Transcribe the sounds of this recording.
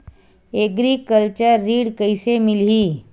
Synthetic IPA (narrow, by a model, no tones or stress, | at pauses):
eɡɾikəlt͡ʃəɾːiːɽkɐɪsemɪlɦiː